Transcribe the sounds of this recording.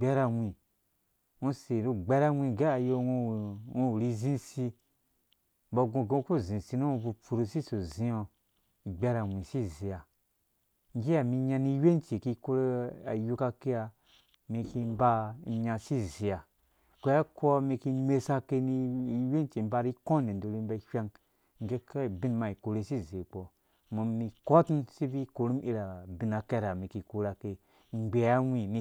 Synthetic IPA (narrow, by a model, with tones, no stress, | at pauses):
ɡ͡bɛ˦ɾa˧wʷĩ˨ | ũ˧se˨ɾu˧ɡ͡bɛ˦ɾa˦wʷĩ˧ɡe˦a˨jo˧wo˧˨wõ˦˧u˨ɾi˧zĩ˦si˧ | bɔ˧ɡõ˧ɡõ˧ku˦zĩ˨si˧nũ˦o˧bu˧pu˨ɾu˧si˦so˨zĩ˧o˧˨ | ɡ͡bɛ˧ɾa˨wʷĩ˨si˦zi˨ja˨ | ŋ˦ɡi˦a˨mi˧ɲa˧ni˧˦we˦n˦t͡ʃe˨ki˧ko˧ɾa˨ju˧ka˧ke˧ja˧ | mi˧ki˧m˦ba˦ɲa˧si˦zi˨a˨ | kʷe˨˦ja˦ko˦mi˧ki˧me˧sa˦ke˧ni˦˧˦we˦n˦t͡ʃe˨m˦ba˧ɾi˦kõ˦ni˨ndo˨ɾi˦m˦ba˦ʃʲa˦ŋ | ŋ˦ɡe˦ke˦˨bi˦nma˨i˨ko˨ɾe˦si˦ze˨k͡po˨ | mo˨mːi˧ko˦ti˦nsi˦bi˦ko˨ɾu˦m˦ḭ˦ɾa˨bi˨na˨ke˦ɾa˨mi˨ki˨ku˦ɾa˨ke˨ | ŋ͡mɡ͡be˨a˦wʷĩ˨ni˨